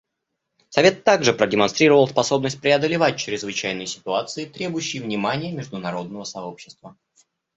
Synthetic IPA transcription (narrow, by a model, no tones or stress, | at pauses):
sɐvʲe̞t̪ːaɡʐɨpɾədʲɪmɐnst̪ɾʲiɾəvəlˠspɐso̞bnəsʲt̚ʲpɾʲɪɐd̪əlʲɪvat̚ʲt͡ɕɾʲɪzvɨt͡ɕæjnɨjsʲɪ̥t̪ʊat̪sɨɪt̪ɾʲe̞bʊjʉɕːɪjəvnʲɪmanʲɪjəmʲɪʐd̪ʊnɐɾo̞d̪̚nəvəsɐopɕːɪ̥st̪və